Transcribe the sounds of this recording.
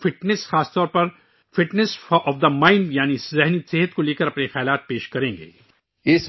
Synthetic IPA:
fɪʈnɛsxaːst̪ɔːɾpɐɾ | fɪʈnɛsɔːfd̪ɐmãːɪ̃ɳɖjaːnizɛɦniseːɦət̪̚koleːkəɾɐpnexɛːlaːt̪̚peːʃkɐɾẽːŋɡḛː | ɪs

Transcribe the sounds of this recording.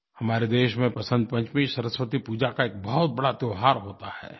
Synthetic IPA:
hɐmaːɾed̪eːʃmẽpɐsə̃nd̪̚pɐ̃ɲt͡ʃmisɐɾəswət̪ipuːd͡ʒakaeːk̚bɐɦʊt̪̚bɐɽat̪joːɦaːɾɦoːt̪ahɛ̰ː

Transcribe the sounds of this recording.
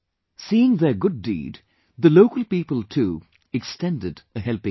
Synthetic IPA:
siːɪ̃ŋðə˞ɡʊdːḭːd | ðəloʊkəlˠpiːpəl̩ˠtʰuː | ɨkstɛ̃ndɨdəɦɛlˠpɪ̃

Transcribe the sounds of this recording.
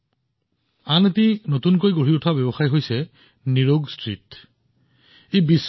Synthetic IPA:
anetinotunkojɡoɹiʊtʰabebɔxajɦojsɛ | niɹoɡstɹit | ejbis

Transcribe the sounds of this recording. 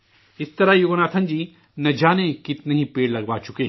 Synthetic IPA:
ɪst̪ɐɾajoɡnaːt̪ʰɐ̃nd͡ʒiː | nɐd͡ʒaːnekɪt̪neɦĩpeːɽlɐɡʋaːt͡ʃʊkeː

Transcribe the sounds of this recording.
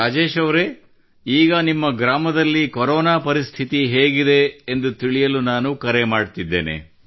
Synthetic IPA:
ɾaːd͡ʒeːʃɐʋɾe̞ | iːɡɐnimːɐɡɾaːmɐd̪ɐlːikoɾɔːnaːpɐɾist̪ʰit̪iɦe̞ːɡid̪e̞ːnd̪ut̪iɭijɐlunaːnukɐɾemaːɖt̪id̪ːeːnḛ

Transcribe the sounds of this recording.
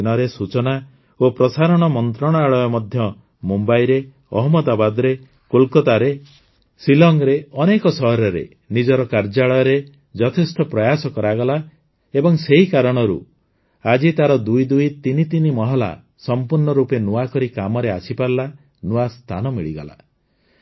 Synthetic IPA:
nɔɾesut͡ʃɔna | opɾɔsaɾɔɽ̃ɔmɔnt̪ɾɔɽ̃ɔaɭɔjɔmɔd̪ʱjɔ | mumbajɾe | ɔ̰ɦɔmɔd̪abad̪ɔɾe | kolkɔt̪aɾe | silɔŋɡɾeɔnekɔsɔɦɔɾɔɾḛ | nid͡ʒɔɾɔkaɾd͡ʒaɭɔjɔɾe | d͡ʒɔt̪ʰest̪ɔpɾɔjasɔkɔɾaɡɔla | ebɔŋseɦikaɾɔɽ̃ɔɾṵ | ad͡ʒit̪aɾɔd̪ujd̪ujt̪init̪inimɔɦɔla̰ | sɔmpuɾɳɔɾupenuakɔɾikamɔɾeasʰipaɾla | nuast̪ʰanɔmiɭiɡɔla̰

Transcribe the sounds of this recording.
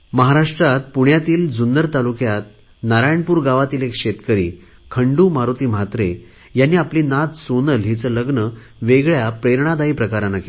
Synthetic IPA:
məɦaɾaʂʈɾat̪puɳjat̪iːld͡zund̪əɾt̪alukjat̪̚ | naɾajɳpuːɾɡaʋat̪iːlekɕet̪kəɾḭː | kʰəɳɖuːmaɾut̪iːm̤at̪ɾe | janːiːapliːnat̪sonəlɦit͡sələɡnə | ʋeɡɭjapɾeɾɳ̃ad̪aipɾəkaɾanake

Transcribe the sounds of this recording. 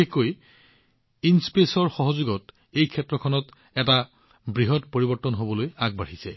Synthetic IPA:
ekoj | inspesɔɹxɔɦɔzuɡɔt | ejkʰɛtɹɔkʰɔnɔt | ɛta | bɹiɦɔtpoɹibɔɹtːɔnɦobɔlojaɡ̚baɹisɛ

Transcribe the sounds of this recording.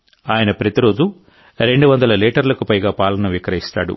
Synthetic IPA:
aːjɐnɐpɾɐt̪iɾo̞ːd͡ʒu | ɾe̞ɳɖuʋɐnd̪ɐlɐliːʈɐɾlɐkupɐjɡaːpaːlɐnɐʋikɐɾɐɦist̪a̰ːɽṵ

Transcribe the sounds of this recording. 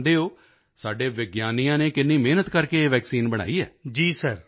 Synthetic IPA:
d̪eːoː | saːɖeːʋɪɡjaːnijãːneːkɪnːiːmeːnət̪kəɾkeːeːʋɛːksiːnbəɽ̃a̰ːiːɛ̰ːd͡ʒiːsəɾ

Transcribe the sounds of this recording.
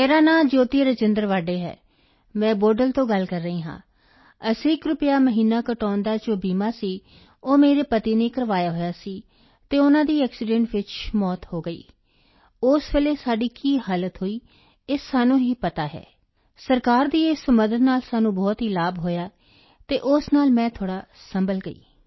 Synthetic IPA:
meːɾaːnãːd͡ʒoːt̪iːɾəd͡ʒɪnd̪əɾʋaːɖeːɦɛ̰ː | mɛ̃ːboːɖəlt̪õːɡəlkəɾːəɦiːɦã̰ː | əsĩːɪkɾʊpɪjaːməɦiːnaːkəʈɔːnd̪aːt͡ʃõːbiːmaːsiː | oːmeːɾeːpət̪iːneːkəɾʋaːjaːɦoːjaːsiː | t̪eːʊnãːd̪iːɛːksɪɖɛ̃ɳʈʋɪt͡ʃmɔːt̪hoːɡəḭː | ʊsʋeleːsaːɖiːkiːɦaːlət̪ɦoːiː | ɪsːaːnũːɦiːpət̪aːɦɛ̰ː | səɾkaːɾd̪iːesməd̪ət̪naːlsaːnũːbɔːt̪ɦiːlaːbɦoːjaː | t̪eːʔʊsnaːlmɛ̃ːt̪ʰoːɽaːsəmbəlɡəḭː

